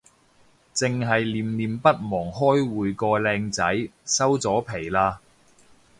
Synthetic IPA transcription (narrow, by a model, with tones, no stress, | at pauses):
t͡sɪ˨ŋɦɐ˨jliː˨mliː˨mpɐ˥t̚mɔː˨˩ŋɦɔː˥jwuː˨jkɔː˧lɛː˧ŋt͡sɐ˨˥jsɐ˥wt͡sɔː˨˥pʰe˨˩jlaː˧